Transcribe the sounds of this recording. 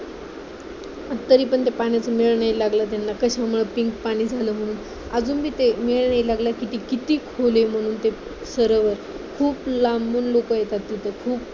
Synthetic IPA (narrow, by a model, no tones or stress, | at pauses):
ət̪ːəɾiːpəɳt̪epaɽ̃jat͡səmiɭɳailaɡlat̪̬janːakəɕamuɭəpiŋkpaɽ̃iːd͡zʱaləːm̤əɽ̃uːn | əd͡zuːnbʱiːt̪emiɭɳailaɡlakit̪iːkit̪iːkʰolem̤əɽ̃uːnt̪e | səɾəʋəɾ | kʰuːplambuːnlokəjet̪at̪ːit̪ʰəkʰuːp̚